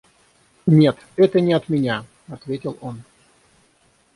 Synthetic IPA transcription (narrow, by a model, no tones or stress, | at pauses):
nʲe̞t̪ | ɛt̪ənʲɪɐt̪mʲɪnʲa | ɐt̪vʲetʲɪlˠo̞n